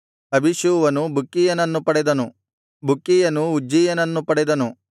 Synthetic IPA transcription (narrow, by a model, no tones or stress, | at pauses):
ɐbʱiʃuːʋɐnubʱukːijɐnɐnːupɐɽɛd̪ɐnu | bʱukːijɐnuːd͡ʒijɐnɐnːupɐɽɛd̪ɐnu